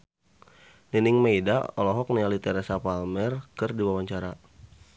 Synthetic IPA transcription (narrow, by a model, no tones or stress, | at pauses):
ninɪŋmejdaɔlɔɦɔk̚nialit̪ɛɾɛsapalmɛrkɨrdiwawaɲt͡ʃaɾa